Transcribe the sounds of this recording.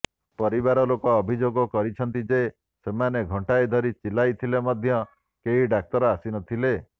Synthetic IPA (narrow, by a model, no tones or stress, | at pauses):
pɔɾiβaɾɔlokɔːbʱid͡ʒoɡɔkɔɾit͡ʃʰɔnt̪id͡ʒe | semaneɡʱɔɳʈajd̪ʱɔɾit͡ʃilajt̪ʰilemɔd̪ʱjɔ | keɦiɖak̚t̪ɔɾɔasinɔt̪ʰile